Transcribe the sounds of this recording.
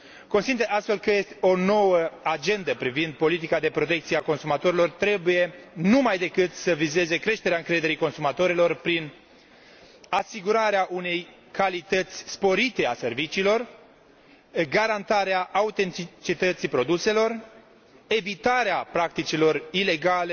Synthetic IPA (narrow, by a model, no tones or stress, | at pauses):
ko̞nsineast̪fe̞lkəje̞st̪eo̞no̞wəad͡ʒe̞nd̪əpɾivind̪̚po̞lit̪̬ikad̪e̞pɾo̞t̪̬e̞k̚t̪sieako̞nsumat̪o̞ɾilo̞rt̪ɾe̞buje̞numajd̪e̞kɨt̪səvize̞ze̞kɾe̞ʃt̪eeaɨŋkɾe̞d̪e̞ɾiko̞nsumat̪o̞ɾilo̞rpɾin | asiɡuɾaɾeaʔune̞j | kalit̪ət̪sʲspo̞ɾit̪e̞ase̞rvit͡ʃiːlo̞r | ɡaɾant̪aɾeaʔaut̪e̞nt̪it͡ʃit̪ət̪sipɾo̞d̪use̞lo̞r | e̞vit̪aɾeapɾak̚t̪it͡ʃilo̞rile̞ɡale